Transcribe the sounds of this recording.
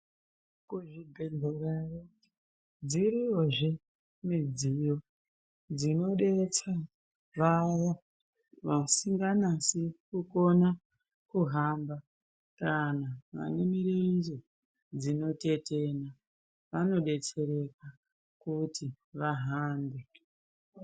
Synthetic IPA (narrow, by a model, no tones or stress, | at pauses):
kuʐibʱeɮʱoraro | d͡ziɾioʐe | mid͡zio̞ | d͡zino̞ɗe̞t͡sa | ʋaja | ʋasiŋɡanasikuko̞na | kuɦamba | kanaʋa̰nemiɾeizo | d͡zino̞te̞tena | ʋano̞ɗe̞t͡se̞ɾe̞ka | kuti | ʋaɦaːmbe